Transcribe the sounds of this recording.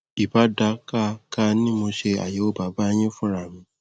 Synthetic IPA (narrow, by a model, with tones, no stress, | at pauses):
i˨ba˨˦da˧˦ka˦ka˦nĩ˦mo˧ʃe˧a̰˨je˨˦o˦ba˨˦ba˦j̃ẽ˦fũ˦ɾa˨mĩ˧˦